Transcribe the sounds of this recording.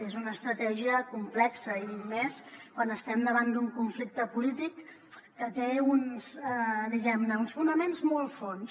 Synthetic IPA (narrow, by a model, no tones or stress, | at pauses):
ezunəːst̪ɾət̪ɛʒiəkumplɛksəimɛskwanəst̪ɛmd̪əβand̪uŋkuɱflik̚t̪əpulit̪ikː | ət̪eunsɛd̪iɣɛmnəunsfunəmenzmɔlˠfons